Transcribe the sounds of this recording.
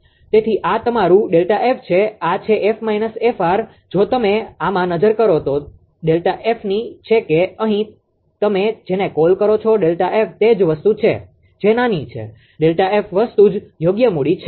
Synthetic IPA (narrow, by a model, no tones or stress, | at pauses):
t̪et̪ʰiʔat̪əmaɾũɖelʈaʔeft͡ʃʰeat͡ʃʰeʔefmainəsefaɾ | d͡ʒot̪əmeamãnəd͡ʒəɾkəɾot̪o | ɖelʈaʔefnit͡ʃʰekeəɦĩ | t̪əmed͡ʒenekolkəɾot͡ʃʰoɖelʈaʔeft̪ed͡ʒʋəst̪ut͡ʃʰḛ | d͡ʒenanit͡ʃʰḛ | ɖelʈaefʋəst̪ud͡ʒjoɡjəmuɽit͡ʃʰe